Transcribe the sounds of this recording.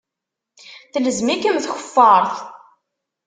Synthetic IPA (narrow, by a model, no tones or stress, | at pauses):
θləzmikəmθçə̥fːɑɾˤθ